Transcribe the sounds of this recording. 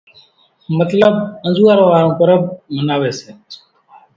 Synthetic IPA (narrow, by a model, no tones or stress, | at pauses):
mət̪ləb̚ə̃nzuːaɾõːʋaːɾõːkəɾəb̚mənaːʋeːseː